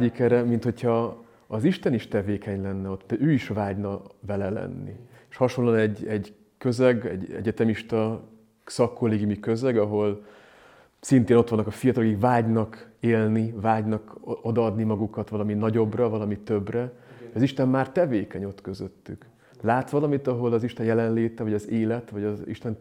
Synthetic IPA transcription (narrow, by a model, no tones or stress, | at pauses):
ikɛɾɛmint̪ho̞chɒ | ɒziʃt̪ɛniʃt̪ɛveːkʰɛɲlɛnːɛo̞t̪ːɛøːiʃvaːɟnɒvɛlɛlɛ̰nːḭeʃhɒʃo̞lːoːnɛɟːɛɟ | kø̞zɛɡɛ̰ɟɛ̰ɟɛt̪ɛmiʃt̪ɒ | sɒkːoleːɡimikø̞zɛɡɒɦo̞l | sint̪eːno̞t̪ʋɒnːkɒfijɒt̪ɒlokikvaːɟnɒkeːlnivaːɟnɒko̞d̪ɒɒd̪nimɒɡukɒt̪ʋɒlɒminɒɟo̞brɒvɒlɒmit̪ø̞brɛd̪ɒziʃt̪ɛmmaːrt̪ɛveːkɛɲo̞t̪køzøt̪ːyk | laːt̪ʋɒlɒmit̪ɒɦo̞lɒziʃt̪ɛjɛlɛnleːt̪ɛvɒɟɒzeːlɛt̪ʋɒɟɒḭʃt̪ɛn